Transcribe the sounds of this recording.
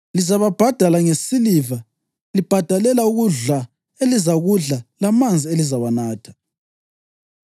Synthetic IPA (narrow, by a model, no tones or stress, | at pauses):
lizaβab̥ʱad̥ʱalaŋesiliva | lib̥ʱad̥ʱalɛlauɣuɮa | elizaɣuɮalamand͡zʱielizawanaːtʰḁ